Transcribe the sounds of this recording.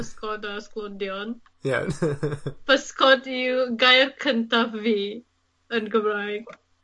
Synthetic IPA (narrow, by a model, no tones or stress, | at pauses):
əskɔtasklodiɔn | ja̰ | fəskɔtuɡajərkʰəntavi | ənɡəbɾak